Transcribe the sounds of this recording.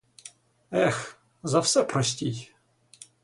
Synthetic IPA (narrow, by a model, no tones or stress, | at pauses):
ɛx | zɐwsɛpɾɔsʲtʲij